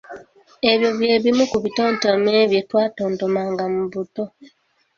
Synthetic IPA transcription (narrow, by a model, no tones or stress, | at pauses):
e̞βjo̞βje̞ːβimukuβitoːntomeːβjetwaːtoːntomaːŋɡamuβuto̞